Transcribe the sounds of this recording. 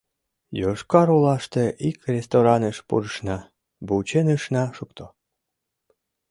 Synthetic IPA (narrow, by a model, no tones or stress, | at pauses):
joʃkɑɾulˠɑʃt̪eʔikrʲest̪oɾɑnəʃpṵɾəʃnɑ | but͡ɕenɯʃnɑʃukt̪ʰo